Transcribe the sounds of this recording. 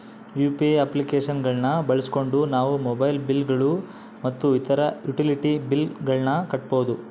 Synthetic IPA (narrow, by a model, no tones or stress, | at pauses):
juːpieɐplikeːʂɐnɡɐɭnɐbɐɭɐsi̥ko̞ɳɖunaːʋumɔbɐjlbilɡɐɭu | mɐt̪ːuit̪ɐɾɐjuʈiliʈibilɡɐɭnɐkɐʈ̚boːd̪u